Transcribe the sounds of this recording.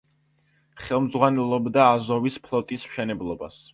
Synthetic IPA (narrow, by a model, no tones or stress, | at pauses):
χɛlˠmd̪zʁwanɛlˠɔbd̪aːzɔvispʰlˠɔt̪ʼismʃɛnɛblˠɔba̰s